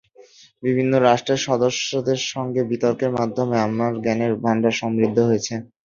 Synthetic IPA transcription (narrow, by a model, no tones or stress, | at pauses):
bibʱinːoɾaʃʈɾeɾʃɔd̪oʃod̪eɾʃɔŋɡebit̪oɾkeɾmad̪ʱːomeamːaɾɡɛneɾbʱaɳɖaʃɔmɾid̪ʱːoɦojet͡ɕʰe